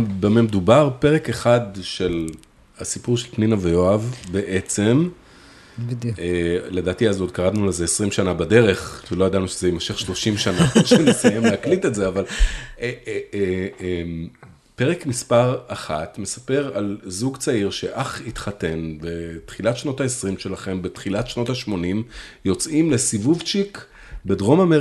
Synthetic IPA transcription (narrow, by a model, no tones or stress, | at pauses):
bememedubaʁpe̞ʁe̞ke̞χadʃe̞l | asipuʁʃelpninavejoavbe̞ʔet͡se̞m | ele̞daːtiazo̞d̪̚kaʁad̪nulezeesʁimʃanabade̞ʁe̞χʃeload̪anuʃezejemaʃe̞χʃlo̞ʃimʃanaʃenesajemleaklitetzeavale | em | pe̞ʁekmispaʁaχatme̞sḁpe̞ʁalzuɡt͡saiʁʃe̞ʔaχitχate̞nbe̞tχilatʃno̞taesʁimʃe̞laχe̞mbe̞tχilatʃno̞taʃmo̞nimjo̞t͡simle̞sivuvt͡ʃik | be̞dʁo̞mame